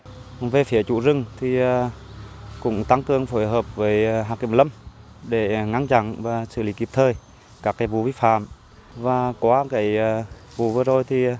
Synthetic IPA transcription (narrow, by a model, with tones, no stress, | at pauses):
ve˨˩fi˨˩ət͡ɕṵ˧˩zɨ˧˩ŋt̪ʰi˨˩əː˨˩ | kʊ̰˧˥ŋ͡mt̪a˧ŋkɨ˨˩əŋfo˧˩jɦəː˨˩p̚vəː˨˦jɦaː˨˩ki˧˩lə˧m | ɗe˧˩ŋa˧˥ŋt͡ɕa̰˧˩nvaː˨˩sɨ̰˧˩li˨˦ki˨˩əp̚t̪ʰəː˧˩j | kaː˦˥kːaː˨˦jvu˧˩vi˧˦fa̰ː˧˨m | vaː˨˩kwɔ˨˦kaː˨˦jvu˧˦vəː˨˧əzo˨˩jt̪ʰi˨˩